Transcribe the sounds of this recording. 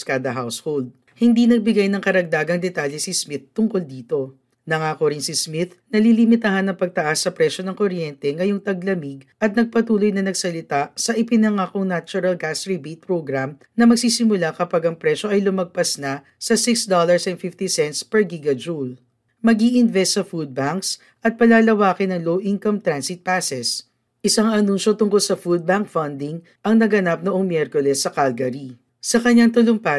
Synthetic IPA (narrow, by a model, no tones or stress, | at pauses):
kad̪ɐɦawshold̪̚ | hɪnd̪inɐɡ̚bɪɡajnɐŋkɐɾɐɡ̚d̪aːɡɐŋd̪ɛt̪aːljɛsɪsmɪt̪t̪ːʊŋko̞ld̪iːt̪o̞ | nɐŋaːkoɾɪnsismɪt̪nɐlilimɪt̪ɐɦanːɐŋpɐɡ̚t̪ɐʔasːɐpɾɛʃo̞nɐŋkoɾjɛnt̪ɛŋɐjoŋt̪ɐɡlɐmiɡʔɐt̪̚nɐɡ̚pɐt̪uːlo̞jnɐnɐɡsɐlɪt̪asɐʔɪpɪnɐŋaːkoŋnat͡ʃʊɾɐlɡasɹibejt̪̚pɹoɡɾam | nɐmɐɡsisɪmʊlakɐpaɡɐŋpɾɛʃo̞ʔɐjlʊmɐɡ̚pɐsnɐ | sɐsɪksd̪olɐɹsɛnfift̪isɛnt̪spɛɹɡiɡɐd͡ʒul | mɐɡiʔɪnvɛst̪ːsɐfud̪̚baŋks | ʔɐt̪̚pɐlaːlɐwaːkɪnɐŋlowʔiŋkɐmt̪ɾansɪt̪̚pasɛs | ʔɪsaŋɐnunʃo̞t̪ʊŋkolsɐfud̪̚baŋk̚fɐnd̪ɪŋ | ʔɐŋnɐɡɐnap̚noʔoŋmjɛɾkolɛsːɐkalɡɐɾi | sɐkɐɲːaŋt̪ʊlʊŋpa